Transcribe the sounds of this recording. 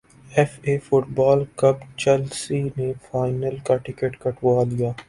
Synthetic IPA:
ɛfeːfʊʈbaːlkɐbt͡ʃɛlsinefaːɪnəlkaʈɪkeʈkɐʈʰʋaːlijaː

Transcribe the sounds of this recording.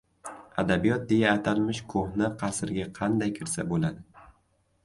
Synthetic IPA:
a̰d̪abijɒt̪̚d̪e̞jaːt̪ʰalmɪʃkʰohnɪqʰɑsɪɾɡʲaqʰɑnd̪ajkʲʰɪɾsabolad̪ɪ

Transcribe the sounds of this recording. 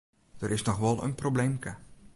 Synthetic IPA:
d̥əɾʔɪsnɔxʋɔlˠə̰nproblemkə

